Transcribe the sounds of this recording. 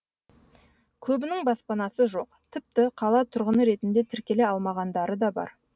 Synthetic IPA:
kʲʰɵbɪnɪŋbɑspɑnɑsəʒo̞qt̪ʰɪp̚t̪ɪqʰɑlˠɑt̪ʰʊɾʁənəɾe̞t̪ɪnd̪e̞t̪ʰɪɾkʲe̞le̞ɑlˠmɑʁɑnd̪ɑɾəd̪ɑbɑ̰ɾ

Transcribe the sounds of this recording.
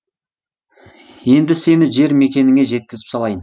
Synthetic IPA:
je̞nd̪ɪse̞nɪʒe̞ɾme̞kʲe̞nɪŋʲe̞ʒe̞t̪̚kʲɪzɪ̥psɑlˠɑjən

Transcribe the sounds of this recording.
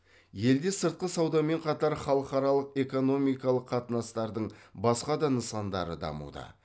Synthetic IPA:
je̞ld̪e̞səɾt̪̚qəsɑwd̪ɑme̞ɴqʰɑt̪ɑɾχɑlˠəqɑɾɑlˠəqe̞ko̞no̞mijkɑlˠəqʰːɑt̪ənɑst̪ɑɾd̪əɴbɑsqɑd̪ɑnəsɑnd̪ɑ̰ɾə̰d̪ɑ̰mṵd̪ə̰

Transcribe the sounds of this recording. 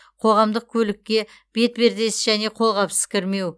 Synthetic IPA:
qʰo̞ʁɑmd̪əq̚kʲʰɵlɪkʲːe̞ | b̥e̞t̪be̞ɾd̪e̞sʒæne̞qʰo̞lˠʁɑpsə̥kʲɪɾme̞w

